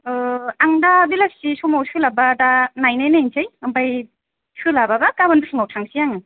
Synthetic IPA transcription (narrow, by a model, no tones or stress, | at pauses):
aŋdabilap̚sisɔmawsʰɯlabadanajnajnajnt͡ʃajɯmbaj | sʰɯlababakabanpʰɯŋawtʰaŋsijaŋɯ